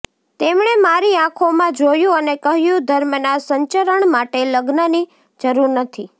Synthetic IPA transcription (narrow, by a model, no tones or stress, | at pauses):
t̪emɳ̃emaɾiãkʰomãd͡ʒojũənekəɦjũd̪ʱəɾmənasəɲt͡ʃəɾəɳmaʈeləɡnəni | d͡ʒəɾuɾnət̪ʰi